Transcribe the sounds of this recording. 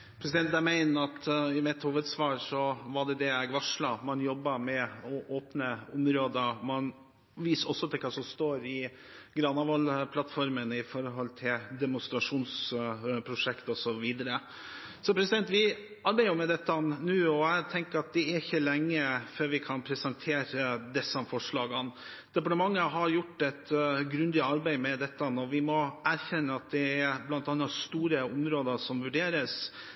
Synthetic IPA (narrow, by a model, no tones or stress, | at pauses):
pʰɾɛsɪd̪ɛnt̪̚d̪æmæɪnəɾɑt̪ɪmɪt̪huːʋəd̪sʋɑːɾʂɔʋɑɖɛd̪ɛɛɡʋɑʂɭɑmɑnjɔbːɑmɛɔʔoːpnəʊmɾoːd̪əmɑn | ʋiːsɔsːɔt̪ʰɪlkʰɑːsɔmst̪oːɾɪ | ɡɾɑnɑʋɑlpʰlɑt̪fɔɾmənɪfɔɾɦɔlt̪ʰɪld̪ɛmʊst̪ɾɑʂuːnspʰɾʊʂɛkt̪ɔsɔʋiːd̪əɾə | sɔpʰɾɛsɪd̪ɛnt̪ʋɪ | ɑɾbæɪʊmɛd̪ɛt̪ːənnʉːɔæɪt̪ʰɛŋkəɾɑt̪̚d̪ɛɛɾɪçːəlɛŋːəføːɾʋɪkʰɑnpʰɾɛsənt̪ʰeːɾəd̪ɛsɑmfɔʂɭɑːɡɑn | d̪̥ɛpɑʈəmɑŋːəɦɑɾjʊʈːɛt̪ɡɾʉnd̪ɪɑɾbæɪmɛd̪ɛt̪ːənɔʋɪmɔæɾçɛnːəɑt̪̚d̪ɛæɾblɑnt̪ɑnːɑst̪uːɾəʊmɾoːd̪əʂɔmʋʉɖeːɾəs